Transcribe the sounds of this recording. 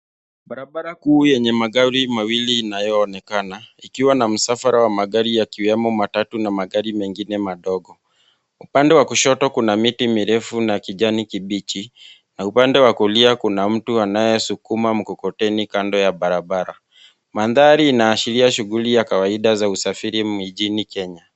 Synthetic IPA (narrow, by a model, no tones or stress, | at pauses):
ɓaɾabaɾakuːjɛɲɛmaɡaɾimawiliːnajɔːnɛkanaikiwanam̩safaɾawamaɡaɾijakiwɛmɔmatatunamaɡaɾimɛŋɡinɛmaɗɔɡɔ | upandɛwakuʃɔtɔkunamitimiɾɛfunakiʄanikiɓit͡ʃi | naupandɛwakuliakunam̩tuanajɛsukumam̩kɔkɔtɛnikandɔjaɓaɾaɓaɾa | maðaɾiːnaːʃiliaʃuɣulijakawaiɗazausafiɾimid͡ʒinikɛɲa